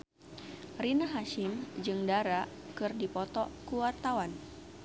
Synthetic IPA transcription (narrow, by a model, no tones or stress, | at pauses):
rinaɦaʃɪmd͡ʒɨŋdaɾa | kɨrdipɔt̪ɔkuart̪awan